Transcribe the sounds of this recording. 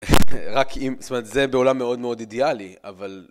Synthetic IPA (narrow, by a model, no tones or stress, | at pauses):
ʁakʰimst̪omt̪zebeolamːe̞o̞dme̞o̞didealia̰val